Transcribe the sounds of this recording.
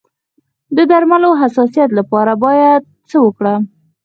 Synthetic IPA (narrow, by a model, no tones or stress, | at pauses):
d̪əd̪aɾmaloɦasɑsijat̪̬lapɑɾabɑjad̪̚t͡səwəkɽa